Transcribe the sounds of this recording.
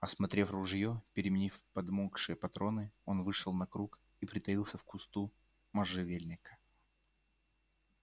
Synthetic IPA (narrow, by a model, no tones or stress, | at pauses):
ɐsmɐt̪ɾʲe̞frʊʐjopʲɪɾʲɪmʲɪnʲifpɐd̪mokʂɨjəpɐt̪ɾo̞nɨo̞nvɨʂəlˠnɐkɾuk | ipɾʲɪt̪ɐilˠsʲəfkʊst̪u | mɐʐɨvʲelʲnʲɪkə̥